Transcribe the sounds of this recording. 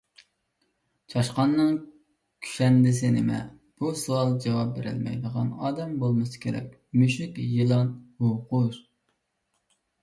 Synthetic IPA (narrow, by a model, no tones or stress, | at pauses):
t͡ʃʰɑʃqɑnːɨŋ | kʲʰy̥ʃɛnd̪ɪsɪnɪmɛ̰ | b̥usuɑlˠd͡ʒɑwɑp̚beɾɪ̰lmɛ̰jd̪əʁɑnɑːd̪ɛmbolˠmɨsɨ̥kʲʰeɾɛ̰kʲ | myʃɪkʲjɨlˠɑnhuqʊʃ